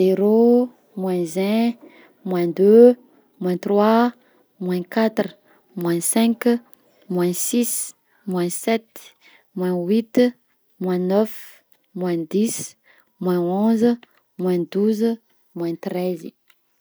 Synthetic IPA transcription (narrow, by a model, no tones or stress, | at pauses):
zeɾo | mwɛ̃zɛ̃ | mwɛ̃d̪ø | mwɛ̃t̪rwa | mwɛ̃kat̪ru | mwɛ̃sɛ̃k | mwɛ̃sis | mwɛ̃sɛt̪ | mwɛ̃wit̪ | mwɛ̃nœf | mwɛ̃d̪is | mwɛ̃õzə | mwɛ̃d̪uz | mwɛ̃t̪ɾɛzi